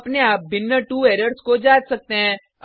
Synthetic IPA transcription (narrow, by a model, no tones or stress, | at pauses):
ɐpneaːp̚bɪnjəʈuːeːɾəɾskod͡ʒaːd͡ʒsɐk̚t̪eɦɛ̃ː